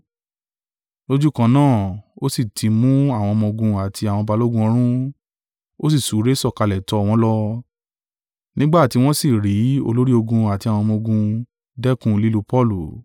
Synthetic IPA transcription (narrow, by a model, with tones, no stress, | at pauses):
lo˦d͡ʒu˦kã˧nãː˦˨o˦si˦˨tʰi˨˧mũ˦a˦˨w̃ɔ̃˧mɔ̃˧ɡũ˧a˨tʰi˧a˨w̃ɔ̃˧ba˧lo˦ɡũ˧ɔ˧˦ɾ̃ũ˦ | o˦s̬i˦˨su˨˦ɾe˦sɔ˦˨ka˧lɛ˨tɔ˧˦˨w̃ɔ̃˧˦lɔ˧ | nĩ˦ɡ͡ba˦˨ti˧˦w̃ɔ̃˦si˦˨ɾi˨˦o̰˧lo˦ɾi˦o˧ɡũ˧a˨ti˧a˨w̃ɔ̃˧mõ˧ɡũ˧ | dɛ˦kũ˦li˦lu˧pɔ˦˨lu˨